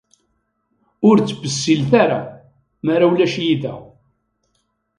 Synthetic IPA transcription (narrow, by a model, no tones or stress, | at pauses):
ʊɾt͡sːbəsːilθaɾa̰ | maɾawlæʃjiðæ̰